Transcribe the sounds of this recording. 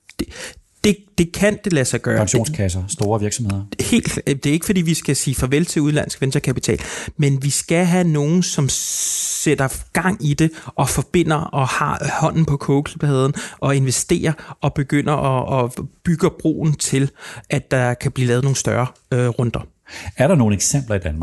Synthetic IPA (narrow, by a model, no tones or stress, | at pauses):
d̥d̥e̝d̥e̝kʰænd̥e̝læsɑɪɡ̥ɶːɐɑ̈ŋɕo̝̰ːnskʰæs̬ɐsd̥o̝ːɐʋiɐɡ̥sɒ̽mhe̝ð̰ˠɐhe̝̰ːld̥d̥e̝e̝ɡ̥əfɒ̽dḭːʋisɡ̥æsiːfɒ̽ʋelt͡sʰe̝uðˠlæn̰sɡ̥ʋensd̥ɐkʰæpit͡sʰɛ̰ːlmenʋisɡ̥æɦæno̝ːn̩sɒ̽msed̥ɐɡ̥ɑ̈ŋ̰id̥e̝ʔɒ̽fɒ̽b̥e̝n̰ɐʔɒ̽hɑ̰̈hɒ̽n̰n̩pʰɒ̽kʰɔːkʰlib̥heð̞ˠn̩ʔɒ̽e̝nʋesd̥e̝̰ːɐʔɒ̽b̥e̝ɡ̥øn̰ɐʔɒːb̥yɡ̥ɐb̥ʁo̝̰ːn̩t͡sʰe̝lʔæ̥ɑkʰæb̥liːlɛːð̞ˠno̝ːŋn̩sd̥ɶɐ | øʁɔnd̥ɐ | æɐɾɑ̈no̝ːn̩eɡ̥sem̰b̥lɐid̥ænmɑ